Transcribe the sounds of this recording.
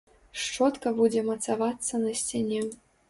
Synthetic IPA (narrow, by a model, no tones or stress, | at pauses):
ʂt͡ʂɔt̪kɐbud͡zʲɛmɐt̪savat̪sːɐnɐsʲt͡sʲanʲɛ